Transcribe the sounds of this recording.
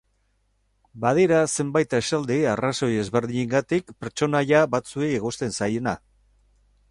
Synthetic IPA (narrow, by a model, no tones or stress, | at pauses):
bað̞iɾase̞mbajt̪esald̪iaraso̞je̞zβe̞ɾðiɲeŋɡat̪ikpeɾt͡ʃo̞najaβat͡sueiɣost̪e̞nsajena